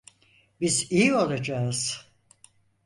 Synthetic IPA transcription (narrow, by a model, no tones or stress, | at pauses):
bizijio̞lˠad͡ʒaɯz̥